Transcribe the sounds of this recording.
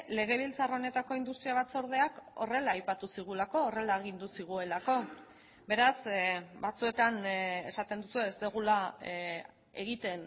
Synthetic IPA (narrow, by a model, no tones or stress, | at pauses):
le̞ɣ̞e̞β̞ilt͡saraone̞t̪ako̞ind̪ust̪ɾiaβat͡so̞ɾðe̞ako̞̰re̞laːjpat̪usiɣ̞ulako̞ːre̞laeɣ̞ind̪usiɣ̞ue̞lako̞ | be̞ɾasbat͡sue̞t̪ane̞sat̪e̞nd̪usue̞ːst̪eɣula | e̞ɣit̪e̞n